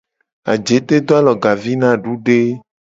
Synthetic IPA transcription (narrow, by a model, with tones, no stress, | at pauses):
a̰˨d͡ʒe˨˦t̪e˦d̪o˦a˦lɔ˨ɡa˨vi˦nã˦˨ɖu˦ɖe˦